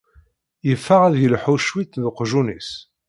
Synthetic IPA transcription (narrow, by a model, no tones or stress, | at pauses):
jəfːəʁæðjəlħuʃwit̪ðəqʒunḭs